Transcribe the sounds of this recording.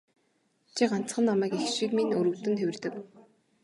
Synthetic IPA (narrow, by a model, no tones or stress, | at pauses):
t͡ɕʰiɢan̥t͡sχə̆nːamæːkixʃikminɵɾɵ̆wt̪ɘ̆nt̪ʰewʲɘ̆rt̪ɘ̆k